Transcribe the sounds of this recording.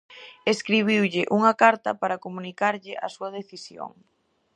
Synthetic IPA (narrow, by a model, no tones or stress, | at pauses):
eskɾiβ̞iwʎɪʔuŋɐkaɾt̪ɐpaɾɐkomunikaɾʎɪʔasuɐð̞eθisjo̰ŋ